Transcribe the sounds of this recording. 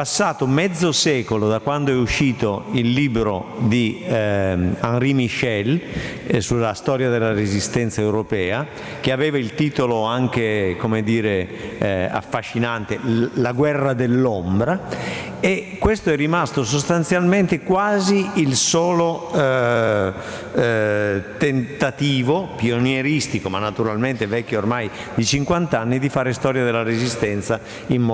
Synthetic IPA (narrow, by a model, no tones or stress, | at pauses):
pasːaːt̪omɛd̪zːosɛːkolod̪akːwand̪oɛuʃːiːt̪oilːiːbɾod̪i | anrimiʃɛl | sulːast̪ɔːɾjad̪elːaɾezist̪ɛnt̪saewɾopɛːa | k̟eavɛːvailt̪iːt̪oloaŋk̟ekomed̪iːɾe | a̰fːaʃːinant̪elaɡwɛrːad̪elːombɾa | ekːwest̪oɛrːimast̪osost̪ant̪sjalment̪ekwaːziːlsɔːlo | t̪ent̪at̪iːvopionjeɾist̪ikomanːat̪uɾalment̪evɛkːeormaj | d̪it͡ʃiŋkwant̪anːid̪ifaːɾest̪ɔːɾjad̪elːaɾezist̪ɛnt̪sa | immɔ